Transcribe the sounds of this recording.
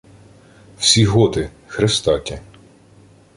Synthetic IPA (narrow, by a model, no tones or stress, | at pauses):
wsʲiɦɔt̪ɪ | xɾest̪ɑtʲɐ